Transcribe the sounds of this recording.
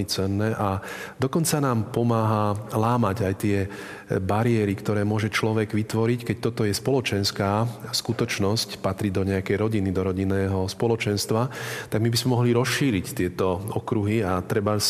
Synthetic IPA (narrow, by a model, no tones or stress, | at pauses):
it͡sɛnːɛʔa | d̪ɔkɔnt͡sanaːmpɔmaːɦalaːmaɟajt̪ɪɛ | baɾiɛɾikt̪ɔɾɛːmʊɔʒɛt͡ʃlɔʋɛɡʋit̪ʋɔɾickɛc̚t̪ɔt̪ɔjɛspɔlɔt͡ʃɛnskaːskut̪ɔt͡ʃnɔscpat̪ɾid̪ɔɲɛakɛjɾɔɟinid̪ɔɾɔɟinːɛːɦɔspɔlɔt͡ʃɛnst̪ʋat̪aɡmibizmɛmɔɦliɾɔsiːɾict̪ɪɛt̪ɔɔkɾuɦiat̪ɾɛba